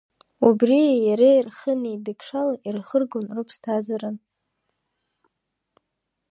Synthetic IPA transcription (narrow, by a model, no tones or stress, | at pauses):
ubriajaɾairχənidɨkʰʂalairχərɡonrɨpʰstʰazaɾɨn